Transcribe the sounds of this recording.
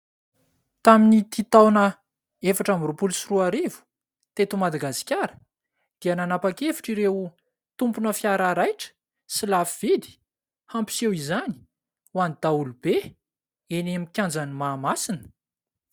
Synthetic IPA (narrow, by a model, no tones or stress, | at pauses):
t̪aminit̪it̪awnə | efaʈ͡ʂamrupulusiruaɾivu̥ | t̪et̪umad̪aɡasi̥kʲaɾə̥ | d̪̥iananapakefi̥ʈ͡ʂiɾew | t̪umpunəfjaɾaɾajʈ͡ʂə̥ | silafiv̥id̪i̥ | hampi̥sewizani̥ | wanid̪̥aulub̥e | enemikʲjand͡zanimaːmasinə̥